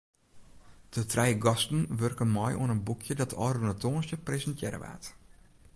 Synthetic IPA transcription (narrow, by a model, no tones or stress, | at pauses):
d̥ətrɛjɡɔstn̩ʋørkənmɔjʔṵənənbukʰjədɔtʰɔ̰ːrənətoːnsjəprezəntjɛɾə̰ʋa̰ːt